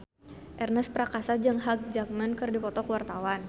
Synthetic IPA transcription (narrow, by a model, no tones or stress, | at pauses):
ʔɛrnəspɾakasad͡ʒəŋɦak̚d͡ʒak̚mənkɨrdipɔt̪ɔkəwart̪awan